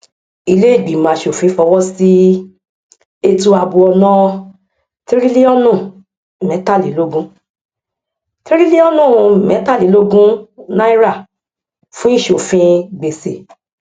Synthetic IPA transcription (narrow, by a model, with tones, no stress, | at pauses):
i˧le˦i˦˨ɡ͡bi˨mã˨ʃo˨fĩ˨˦fɔ˧wɔ˦si˦ | e˧tu˧a˧bu˧ɔ˧nã˦˧ | ti˦ɾi˦li˦ɔ˦nũ˦˨ | mɛ̃˨˦ta˦˨li˨˦lo˦ɡũ˦ | ti˦ɾi˦li˦ɔ˦nũ˦˨mɛ̃˨˦ta˦˨li˨˦lo˦ɡũ˦nã˦i˦ɾa˦˨ | fũ˦i˦˨ʃo˨fĩ˧ɡ͡be˨sḛ˨